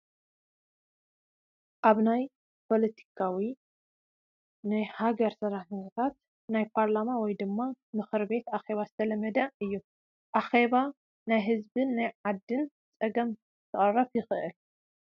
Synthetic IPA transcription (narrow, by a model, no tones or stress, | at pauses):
ʔaβnaj | pʰo̞lɐt̪ʰi̥kʰawi | nɨhaɡɐɾsɐɾaħɨot̪ʰat̪ | najpʰaɾlamawɔjd̪ɨmːamɨxɨɾbe̞t̪axe̞βazɨt̪ʰɐlɐmːɐd̪ɐɨjːu | ʔaxe̞βa | najɦɨzbɨnːajʕad̪ːɨn | t͡sʼɐɡɐm | t̪ʰɨχʼɐrɐfjɪxɨʔɨl